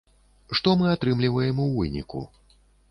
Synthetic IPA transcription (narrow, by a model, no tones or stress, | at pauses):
ʂt̪ɔmɨat̪ɾɨmlʲivɐjɛmuwvɨnʲḭkṵ